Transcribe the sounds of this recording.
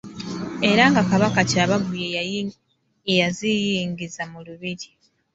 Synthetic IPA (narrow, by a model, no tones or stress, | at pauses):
e̞ɾaŋɡakaβakacaːβavuje | ejazijiːŋɡizamuluβiɾi